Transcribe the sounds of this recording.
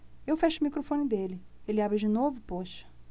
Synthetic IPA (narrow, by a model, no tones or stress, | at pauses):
ewfɛʃʊmikɾofõnɪd̪elɪelɪabɾɪd͡ʒɪnovʊpoʃɐ̥